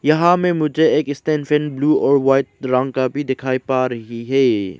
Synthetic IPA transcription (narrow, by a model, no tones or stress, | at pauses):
jɐɦãmẽmʊd͡ʒʱeeːkɪst̪ẽːnfʰɛ̃nbluːɔːɾʋaːɪʈ̚ɾɐ̃ŋɡkabʱid̪ɪkʰaːipaːɾɐɦiɦɛː